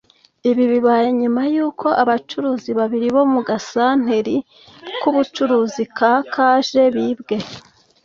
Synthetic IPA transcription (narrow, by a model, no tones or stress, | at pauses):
iβiβiβaːjeɲumajuːkʰo̞ʔaβat͡ʃuɾuːziβaβiɾiβo̞muɡasaːn̥he̞ɾi | kuβut͡ʃuɾuːzikakʰaːʒe̞βibɡe̞